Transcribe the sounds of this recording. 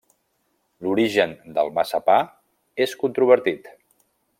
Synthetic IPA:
luɾiʒənd̪əlˠmasəpa | eskunt̪ɾuβəɾt̪it̪

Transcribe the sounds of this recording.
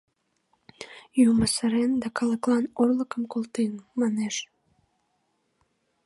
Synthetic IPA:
juməsəɾend̪ɑkɑləklɑnorləkəmkolˠt̪enmɑneʃ

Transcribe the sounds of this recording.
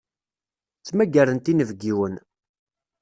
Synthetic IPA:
t͡sːmæɡæɾənt̪inəvɡiwən

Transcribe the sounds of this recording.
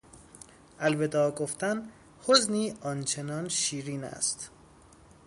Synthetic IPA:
ʔælved̪ɒːɡoft̪æn | hozniːɒːnt͡ʃʰenɒːnʃiːɾiːnæ̰st̪

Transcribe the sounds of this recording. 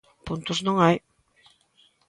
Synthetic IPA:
punt̪ʊznõŋaj

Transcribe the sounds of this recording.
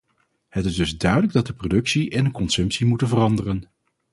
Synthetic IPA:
hətɪzdɵzdœɥdələɡ̚dɑt̚dəprodɵksiʔɛndəkɔnsɵmpsimutənvərɑndərən

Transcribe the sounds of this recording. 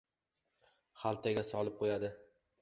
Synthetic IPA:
χalˠt̪ʰaɡʲasɒlˠɪp̚qʰojad̪ɪ

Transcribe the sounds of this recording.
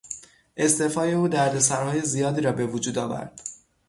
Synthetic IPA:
ʔe̞st̪e̞fɒːje̞uːd̪æɾd̪e̞s̬æɾhɒːje̞zijɒːd̪iːɾɒːbe̞vod͡ʒuːd̪ɒːvæ̰ɾd̪̥

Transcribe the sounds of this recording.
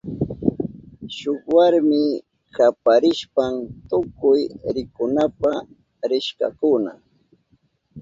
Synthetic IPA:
ʃokwaɾmɪ | kapaɾɪʃpamt̪ʊkʊjɾɪkʊnapa | ɾɪʃka̰kʊna̰

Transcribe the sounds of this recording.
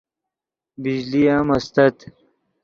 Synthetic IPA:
bid͡ʑliaːmɐst̪ɐt̪

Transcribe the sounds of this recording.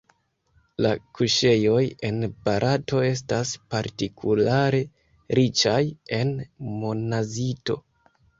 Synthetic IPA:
lakuʃe̞jo̞je̞nb̥aɾʔato̞e̞s̬taspaɾtikʰulaɾe̞ | ɾit͡ʃaje̞nmonazito̞̰

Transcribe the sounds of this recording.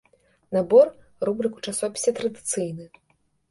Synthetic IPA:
nabɔr | rubɾɨku̥t͡ʂasɔpʲi̥sʲɐt̪ɾɐd̪ɨt̪sɨjnɨ

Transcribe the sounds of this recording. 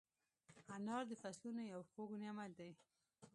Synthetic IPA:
anɑɾd̪əfaslunojawxoɡuneamald̪aj

